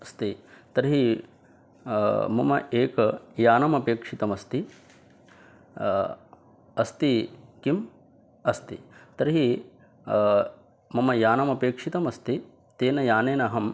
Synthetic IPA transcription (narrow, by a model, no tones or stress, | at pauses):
ɐst̪it̪ɐɾɦi | mɐmɐʔeːkɐjaːnɐmɐpeːkʂit̪ɐmɐst̪i | ɐst̪ikim | ɐst̪ḭt̪ɐɾɦi | mɐmɐjaːnɐmɐpeːkʂit̪ɐmɐst̪i | t̪eːnɐjaːneːnɐɦɐm